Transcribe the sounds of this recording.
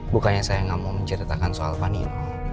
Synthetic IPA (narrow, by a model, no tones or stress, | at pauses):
bukaɲasajaŋamuməɲt͡ʃəɾit̪akansoa̰lpanḭnu